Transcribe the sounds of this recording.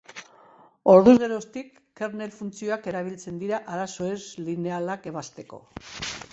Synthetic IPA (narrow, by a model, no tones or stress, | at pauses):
o̞ɾðuzɣe̞ɾost̪ikːeɾne̞lfunt͡sio̞ake̞ɾaβ̞ilt͡se̞nd̪iɾaʔaɾaso̞ezline̞alake̞β̞ast̪e̞ko̞̰